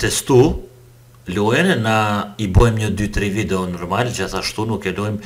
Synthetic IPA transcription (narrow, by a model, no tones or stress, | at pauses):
t̪ɛst̪u | luɛnnaibɔjmɲəd̪yt̪ɾivid̪ɛɔnɔɾmald͡ʒaθaʃt̪unukɛlɔjm